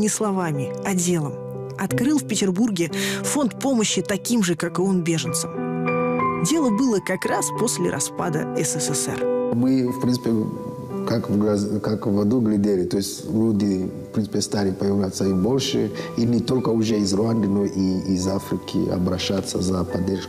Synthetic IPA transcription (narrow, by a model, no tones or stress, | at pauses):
nʲɪslˠɐvamʲɪɐdʲe̞lˠəm | ɐt̪kɾɨlˠfpʲɪtʲɪrburɡʲɪfo̞nt̪po̞məɕːɪt̪ɐkʲimʐɨkakɨo̞nbʲe̞ʐɨnt̪səm | dʲe̞lˠəbɨlˠəkɐkraspo̞sʲlʲɪ̰ɾʔɐ̰spad̪ə̰ɛsɛsɛsɛ̰rmɨfpɾʲinɨ̥pʲe | kakvɡɾazkakvːɐd̪uɡlʲɪd̪ʲelʲɪt̪oɪsʲtʲlʲud̪ʲɪfpɾʲinɨpʲɪst̪alʲɪpɐjɪvlʲat̪sːɐimbolʲʂɨ̰inʲɪt̪o̞lʲkəʊʐɛizrʊand̪ɨnoʔiizafɾʲɪkʲɪ̰ɐ̰bɾɐɕːat̪sːəzɐpɐd̪ʲerʂ